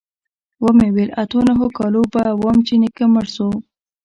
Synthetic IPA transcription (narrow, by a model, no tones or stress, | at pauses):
wəmewelat̪onaɦokɑlobawomt͡ʃinɪkəməɾso